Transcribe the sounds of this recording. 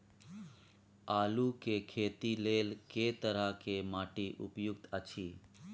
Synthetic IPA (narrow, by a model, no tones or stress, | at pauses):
aːlukekʰeːt̪ileːlket̪əɾakemaːʈiːʔʊ̰pjʊkt̪ət͡ʃʰiː